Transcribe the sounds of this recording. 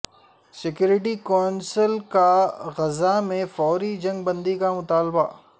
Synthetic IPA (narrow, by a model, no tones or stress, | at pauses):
sɪkjuːɾɪʈ̬ikɔːnsəlkaɣɐzamẽfɔːɾid͡ʒɐ̃ŋɡ̚bɐ̃nd̪ikamʊt̪aːlba